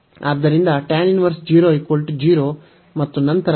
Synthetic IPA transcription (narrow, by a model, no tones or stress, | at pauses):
aːd̪ːɐɾind̪ɐʈɛːnjuniʋɐɾsd͡ʒiːɾoːikʋɐlʈud͡ʒiːɾoː | mɐt̪ːunɐnt̪ɐɾ